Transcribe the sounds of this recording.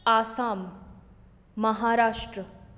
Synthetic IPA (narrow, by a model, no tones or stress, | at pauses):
aːsaːm | ɐɦaɾaːʂʈɾə